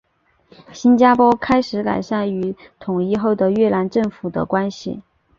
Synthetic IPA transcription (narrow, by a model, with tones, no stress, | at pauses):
ɕi˥nt͡ɕja˥pwɔ˥kʰa˥ɪʂɻ̩˧˥ka̰˨˩ɪʂa˥˩ny˧˥ | t̪ʰʊ˨˩ŋi˥˧xo˥˩ʊd̪ə˩ɥɛ˥˩la˧˥nʈ͡ʂɤ˥˩ŋfu˨˩d̪ə̰˦kwa˥nɕḭ˨˩